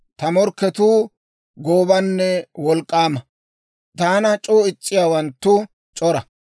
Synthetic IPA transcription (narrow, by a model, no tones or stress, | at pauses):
t̪ɐmɔɾkːɛt̪uː | ɡoːbɐnːɛwɔlkʼːaːmɐ | t̪aːnɐt͡ʃʼoːɪt͡ʃʼːɪjaːwɐnt̪ːʊ | t͡ʃʼɔɾɐ